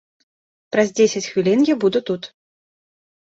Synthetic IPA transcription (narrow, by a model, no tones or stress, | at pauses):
pɾɐzʲd͡zʲesʲɐt͡sʲxvʲilʲinjabud̪ut̪ut̪